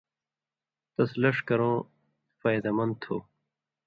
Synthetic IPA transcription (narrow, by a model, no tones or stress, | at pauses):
t̪ɐslɐʂkɐɾõː | faːjd̪ɐmɐn̚t̪ʰo̰ː